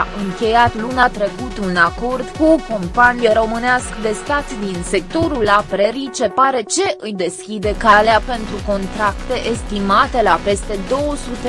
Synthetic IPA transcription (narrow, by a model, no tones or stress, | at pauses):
ʔɨŋkʲe̞jat̪lunat̪ɾe̞kut̪unako̞rd̪kuko̞mpanijeɾo̞mɨneaskd̪e̞st̪at̪d̪inse̞k̚t̪o̞ɾulapɾeɾit͡ʃe̞paɾe̞t͡ʃe̞ʔɨjd̪e̞skʲid̪e̞kaleape̞nt̪ɾuko̞nt̪ɾakt̪e̞ʔest̪imat̪e̞lape̞st̪e̞d̪o̞wəsut̪e